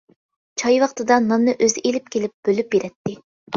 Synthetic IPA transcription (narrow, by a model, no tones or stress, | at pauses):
t͡ʃʰɑjwɑχt̪ɨd̪ɑnɑnːɨʔøzɪʔelɪp̚kʲelɪp̚b̥ølyp̚beɾɛt̪ːɪ